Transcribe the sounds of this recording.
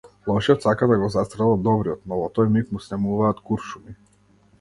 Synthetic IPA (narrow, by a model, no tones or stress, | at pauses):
lˠɔʃiɔt̪sakad̪aɡɔzast̪ɾɛlˠad̪ɔbɾiɔt̪nɔvɔt̪ɔjmit̪musnɛmuvaːt̪kuɾʃumi